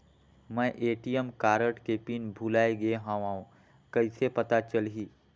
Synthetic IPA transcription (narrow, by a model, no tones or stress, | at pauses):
mɛ̃ʔeːʈijəmkaːɾəʈkepinbʱulaːeɡeɦãːʋãːũ | kɐɪsepɐt̪at͡ʃəlɦiː